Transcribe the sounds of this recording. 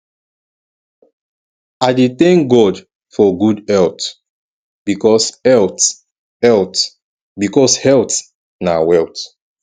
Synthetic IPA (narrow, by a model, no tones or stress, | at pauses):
adet̪ɛ̃ŋk̚ɡɔd | fɔɡudɛlt | b̥ikɔsɛlt | ɛlt | bikɔshɛlt | nawɛlt